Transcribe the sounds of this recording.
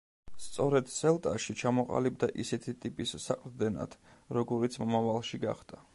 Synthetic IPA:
st̪sʼɔɾɛd̪̥sɛlˠt̪ʼaʃit͡ʃʰamɔqʼa̰lib̚d̪aʔisɛt̪ʰit̪ʼipʼisːaqʼɾd̪ɛna̰d̪̥ɾɔɡɔɾit̪sʰmɔmavalˠʃiɡa̰χd̪̥a

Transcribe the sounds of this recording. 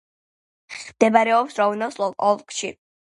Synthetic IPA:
md̪̥ɛbaɾɛɔpsɾɔvunɔslˠɔlɔlˠkʼʃḭ

